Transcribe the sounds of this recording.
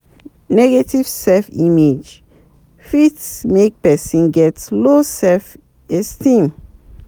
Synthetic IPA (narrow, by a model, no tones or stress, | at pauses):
nɛɡetivsɛfḭmed͡ʒ | fitsmek̚pɛsĩnɡɛtlosɛlf | ɛstĩm